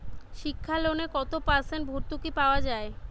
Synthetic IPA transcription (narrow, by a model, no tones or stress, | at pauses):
ʃikʰːaleonekɔt̪opaɾsenʈbʱoɾt̪ukipaoad͡ʑae